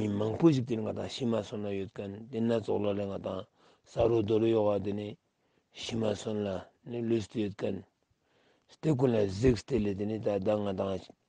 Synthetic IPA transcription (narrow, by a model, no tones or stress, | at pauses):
imaŋpoɕik̚t̪eniŋat̪aŋɕimasonlajøt̪̚kant̪enːat͡soχlalaŋat̪aŋ | saɾod̪olojoʔwat̪̬eni | ɕimasonla | nilost̪ejøt̪̚kan | st̪ek̬onlazek̚st̪elet̪enit̪ad̪aŋat̪aŋ